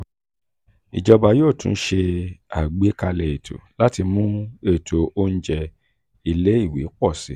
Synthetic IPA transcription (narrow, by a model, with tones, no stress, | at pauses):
i˨d͡ʒɔ˧ba˧joː˦˨tṵ̃˨n̩˦ʃe˧a̰˨ɡ͡be˨˦ka˧lɛ˧˨e˨tʰo̰˨la˦ti˧mũ˦e˦˨tʰo˨o˦n̩˦d͡ʒɛ˧ | i˧le˦i˦˨wi˨˦k͡pɔ˦˨sḭ˨˦